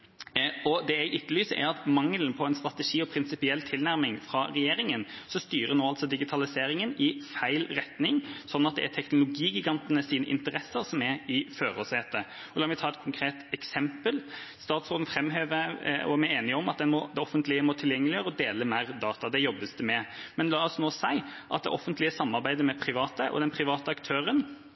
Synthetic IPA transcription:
ɔd̪ɛæɪʔʏt̪ːəlyːsəæ̰ɾɑt̪mɑŋːəlnpʰɔɛnst̪ɾɑt̪əʂiːɔpʰɾɪnsɪpɪɛlːt̪ʰɪlnæɾmɪŋfɾɑɾɛjeːɾɪŋənsɔst̪yːɾənoːɑlsɔd̪ɪɡɪt̪ʰɑlɪseːɾɪŋənɪfæɪlɾɛt̪nɪŋsɔnːɑt̪̚d̪ɛ̰æt̪ʰɛknʊlʊɡiːɡɪɡɑnt̪ənəsiːnə̰ʔɪ̰nt̪əɾɛsəɾsɔmæɾɪføːɾoːsheːt̪ːə | ɔlɑːmɪt̪ʰɑːɛt̪̚kʰʊŋkʰɾeːt̪ɛksɛmpəlst̪ɑːt̪sʁoːd̪n̩fɾɛmːɦeːʋəɔ̰æmæeːnɪɔmɑt̪̚d̪ɛnmɔd̪ɛɔfːənt̪lɪəmɔt̪ʰɪljɛŋːlɪjøːɾəɔd̪eːləmæɪɾd̪ɑːt̪ɑd̪ɛjɔbːəsd̪əmɛmɛnlɑːɔsnoːsæɪʔɑ̰t̪̚d̪ɛ̰ʔɔfːənt̪lɪəsɑmːɑɾbæɪd̪əmɛpʰɾɪʋɑːt̪əʔɔ̰d̪ɛnpʰɾɪʋɑːt̪əɑkt̪ʰøːɾən

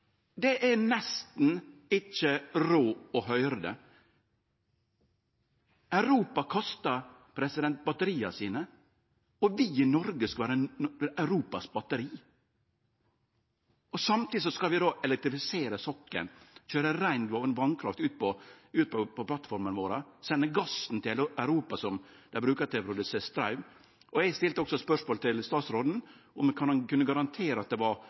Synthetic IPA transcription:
d̪ɛʔænɛst̪n̩ɪt͡ʃːəɾoːɔɦœʏɾəd̪ɛ̰ | ʔæʉɾuːpɑkʰɔst̪ɑ | pʰɾɛsɪd̪ɛnt̪̚bɑt̪əɾiːɑsiːnə | ɔʋɪɪnɔɾɡəskɑʋæːɾəæʉɾuːpɑsbɑt̪əɾiː | ɔsɑmt̪ʰid̪ɪsɔskɑlʋɪd̪oːʔɛlɛk̚t̪ɾɪfɪseːɾəsɔkːə̰nçøːɾəɾæɪnd̪ʋɑnʋɑnkʰɾɑft̪ʉːt̪̚pʰɔʉːt̪̚pʰɔpʰɔpʰlɑt̪fɔɾmənʋoːɾəsɛnːəɡɑsn̩t̪ʰɪlæʉɾuːpɑsɔmd̪̥æbɾʉːkət̪ɪlpʰɾʊd̪ʉseːst̪ɾɑʉʋ | ɔɛɡst̪ɪlt̪əɔksɔspœʂmoːlt̪ʰɪlst̪ɑːt̪sɾoːd̪n̩ʔɔmkʰɑnnkʉnːəɡɑɾɑnt̪ʰeːɾəɑt̪̚d̪ɛʋɑɾ

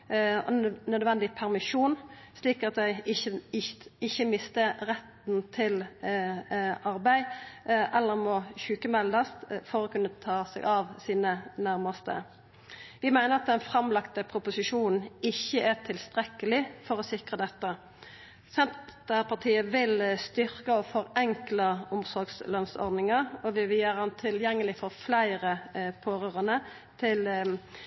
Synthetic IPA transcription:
ɔnœd̪ʋɛnd̪ɪpʰæʁmɪʃuːn | sliːkɑt̪d̪æɪɪə | ɪçːəmɪst̪əʁɛt̪n̩t̪ʰɪl | ʔɑɾbæɪʔɛlːəɾmɔçʉːkəmɛld̪əst̪fɔɾɔkʉnːət̪ʰɑːsɛ̰ɡɑʋsiːnənæɾməst̪ə̰ | ʋɪmæɪnəɾɑt̪̚d̪ɛnfʁɑmlɑkt̪əpʰɾʊpʊsɪʂuːnn̩ɪçːəʔæʁt̪ʰɪlst̪ʁɛkːəlɪfɔʁɔsɪkʁəd̪ɛt̪ːə | sɛnt̪t̪æpɑt̪ʰiːəʋɪlst̪ʏɾkəɔfɔʁɛŋkləʊmsɔɾɡslœnsɔ̰ʁd̪nɪŋəʁɔʋɪʋɪljøːɾəhɑnt̪ʰɪljɛŋːəlɪfɔʁflæɪʁəpʰoːɾøːʁənə | t̪ʰɪl

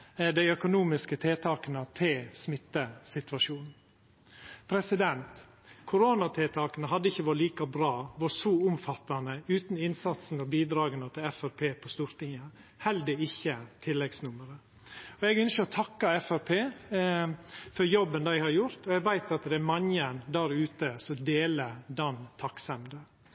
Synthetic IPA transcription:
d̪æɪœkʊnuːmɪskət̪ʰeːt̪ʰɑːkənət̪ʰɪlsmɪt̪ːəsɪt̪ʋɑʂuːnn̩ | pʰɾɛsɪd̪ɛnt̪ | kʰʊɾoːnɑt̪ʰeːt̪ʰɑːkənəɦɑd̪ːəɪçːəʋɔɾliːkɑbɾɑːʋʊsɔʊmfɑt̪ːɑnəʉːt̪nɪnsɑt̪sn̩ɔbiːd̪ɾɑːɡənət̪ʰɪlɛfæɾpʰeːpʰɔst̪uːɾt̪ʰɪŋːə | hɛld̪əɪçːət̪ʰɪlːɛɡsnʊməɾə | ɔɛɡœnskəɾɔt̪ʰɑkːɑɛfæpʰeː | fɔɾjɔbːənd̪æɪhɑɾjʊɾt̪ɔɛɡʋæɪt̪ɑt̪d̪ɛæɾmɑɲənd̪æːɾʉːt̪əsɔd̪eːləd̪ɑnt̪ʰɑksɛmd̪ə

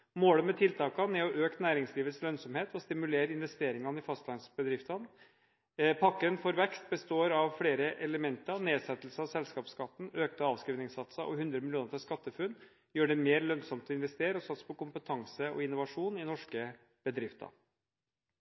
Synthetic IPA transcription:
moːɽəmɛt̪ʰɪlt̪ʰɑːkɑnɛɔʔøːkt̪næːɾɪŋsliːʋət̪slœnsɔmheːt̪ɔst̪ɪmʉleːɾɪnʋɛst̪eːɾɪŋɑnɪfɑst̪lɑɪnsbəd̪ɾɪft̪ɑn | pʰɑkːənfɔɾʋɛkst̪̚bəst̪oːɾɑʋfɽeːɾəʔɛləmɛnt̪ɑɾneːsɛt̪ːl̩səɔsɛlskɑːpskɑt̪ːn̩øːk̚t̪ɑɑːʋskɾiːʋnɪŋsɑt̪sɑʔɔhʉnd̪ɾəmɪlɪuːnəfɔʂkɑt̪ːəfʉnː | jøːɖɛmeːɾlœnsɔmt̪ʰɪnʋɛst̪eːɾəɔsɑt̪spʰɔkʊmpət̪ʰɑŋsəɔ̰ɪnːʊʋɑʂuːnɪnɔʂkə | b̥əd̪ɾɪft̪ɑ̰

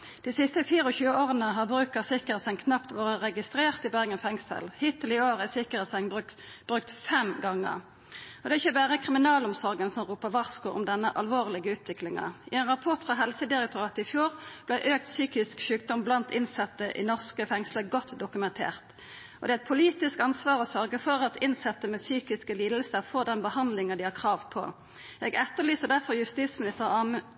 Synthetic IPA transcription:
d̪̥iːsɪst̪əfiːʁəɔçʉːəoːʁənəɦɑʁbʁʉːkəʁsɪkəəsəŋkʰnɑpt̪ʋoːʁəʁɛɡɪst̪ʁeːʁt̪ɪbæʁɡənfɛŋsə̰lhiːt̪ʰːɪlɪoːʁæsɪkəʁəsɛŋ | b̥ʁʉkt̪fɛmɡɑŋːə̰ʁ | ʔɔd̪ɛːʁɪçːəbæːʁəkʰʁɪmɪnɑːlɔmsɔʁɡənsɔmʁuːpəʁʋɑʁskʊʔʊ̰md̪ɛnːəʔɑlʋoːʁlɪɡəʉːt̪ʰʋɪklɪŋɑ̰ɪɛnʁɑpʰɔʁt̪fʁɑɦɛlsəd̪ɪʁɛk̚t̪ʰʊʁɑːt̪əɪfjuːʁb̥læɪʔøːk̚t̪syːkɪskʃʉːk̚d̪ɔmblɑnt̪ɪnsɛt̪ːəʔɪ̰nɔʁskəfɛŋsləɡɔt̪ːd̪ʊkʉmɛnt̪ʰḛːʁt̪ | ʔɔd̪ɛæɛt̪̚pʰʊliːt̪ɪskɑnsʋɑːʁɔsœʁɡəfɔʁɑt̪ɪnsɛt̪ːəmɛsyːkɪskəliːd̪əl̩səfoːd̪ɛnbəhɑnd̪lɪŋəd̪ɪhɑʁkʰʁɑːʋpʰɔ̰ | jɛɡɛt̪ːəʁlyːsəd̪æʁfɔʁjʉst̪iːsmɪnɪst̪əʁɑm

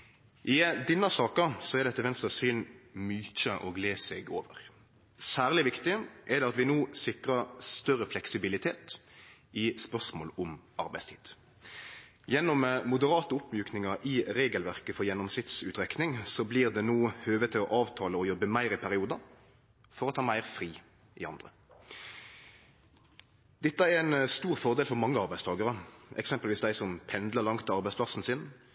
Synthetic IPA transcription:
ʔɪd̪ɪnːɑsɑːkəsɔɛʁd̪ɛt̪ːəʋɛnst̪əsyːnmyːc͡çəʔoːɡleːsɛɡoːʋəʁ | sæːʁlɪʋɪkt̪ɪʔɛd̪ɛɑt̪ʋɪnuːsɪkʁɑʁst̪œɾəflɛksɪbɪlɪt̪ʰeːt̪ | ɪspœʁsmoːlɔmɑɾbæɪst̪ʰiːd̪̥ | jɛnːɔmmʊd̪əʁɑːt̪əʊpːmjʉːknɪŋɑʔɪʁeːɡəlʋæʁkəfɔʁjɛnːɔmsɪt̪sʉːt̪ʁɛknɪŋsɔbliːʁd̪ɛnuːhøːʋət̪ʰːɪlɔʔɑːʋt̪ʰɑːləɔjɔbːəmæɪʁɪpʰæʁɪuːd̪ɑ | fɔʁɔt̪ʰɑːmæɪʁfʁiː | ʔɪɑnd̪ʁə | d̪̥ɛt̪ːəɛʁæɪnst̪uːʁfɔʁd̪eːlfɔʁmɑŋːəɑʁbæɪst̪ʰɑːɡəʁəʔɛ̰ksɛmpəlʋiːsd̪æɪsɔmpʰɛnd̪ləʁlɑŋt̪ɑʁbæɪspʰlɑsn̩sɪn

